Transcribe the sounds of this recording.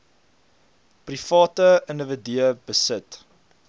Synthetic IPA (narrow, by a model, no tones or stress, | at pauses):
prifɑːtəəndəvədiəbəsət